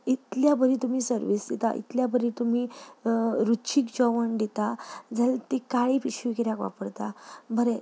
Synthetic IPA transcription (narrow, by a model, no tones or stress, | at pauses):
it̪ljabəɾit̪um̤iːsəɾʋiːsd̪et̪a̰ʔḭt̪ljabʱəɾit̪um̤i | ɾut͡ɕʰikd͡ʑɔʋəɳd̪et̪ad͡zəlt̪ekaɭipiɕikiɾjakʋa̰pəɽt̪abʱəɾe